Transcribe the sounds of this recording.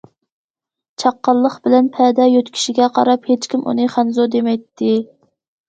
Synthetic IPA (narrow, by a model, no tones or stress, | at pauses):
t͡ʃʰɑqːɑlˠːəχbɪlɛnpʰɛd̪ɛjøt̪kʲʰi̥ʃiɡʲɛqʰɑ̰ɾɑphet͡ʃkʲimʔṵnɨχænzod̪emɛjt̪ʰːɪ